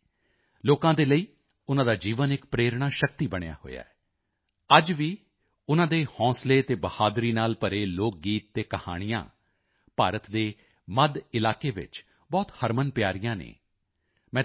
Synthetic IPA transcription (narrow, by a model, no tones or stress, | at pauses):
loːkãːd̪eːləiː | ʊnãːd̪aːd͡ʒiːʋənɪkpɾeːɾɽ̃aːʃək̚t̪iːbəɽ̃eja̰ːɦo̰ːja̰ːɛ | əd͡ʒʋiː | ʊnãːd̪eːhɔ̃ːsleːt̪eːbəhaːd̪ɾiːnaːlpəɾeːloːk̚ɡiːt̪ːeːkəha̰ːɽ̃ɪjã̰ː | paːɾət̪d̪eː | məd̪ɪlaːkeːʋɪ̰t͡ʃ | bɔːt̪həɾmənpɪjaːɾɪjãːnḛː | mɛ̃ː